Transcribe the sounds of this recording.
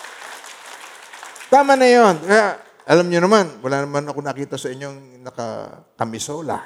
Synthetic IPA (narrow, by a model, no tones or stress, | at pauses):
t̪aːmanɐjonkɐja | ʔɐlamɲonɐmanwɐlanɐmanɐkonɐkiːt̪ɐsɐʔɪɲːoŋ | nɐkɐ̰ | kɐmɪsoːla̰